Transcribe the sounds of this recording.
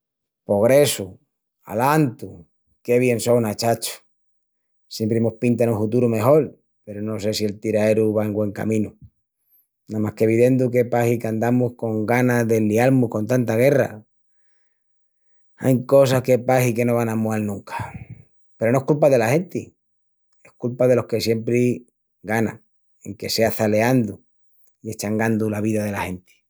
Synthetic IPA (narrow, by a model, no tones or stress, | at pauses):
po̞ɣ̞ɾe̞su | a̰lant̪u | ke̞βje̞nso̞wnat͡ʃat͡ʃu̥ | sjempɾeemohpint̪anũŋfut̪̬uɾume̞xo̞l | pe̞ɾono̞se̞sie̞lt̪iɾae̞ɾuβaeŋɡwe̞ŋka̰mĩnu | namahke̞βiðe̞nd̪uke̞pahikand̪amuhko̞ŋɡanaðe̞lialmuhko̞nt̪ant̪aɣe̞ra̰ | a̰jko̞s̬ahke̞paɦike̞no̞βanamoelnũŋkḁ | peɾo̞noehkulpaðe̞lahe̞nt̪i | e̞hkulpaðe̞lo̞hke̞sje̞mpɾi | ɡanã̰ | e̞ŋke̞se̞aθale̞and̪u | ie̞ht͡ʃaŋɡand̪ulaβ̞iðaðe̞lahe̞nt̪i̥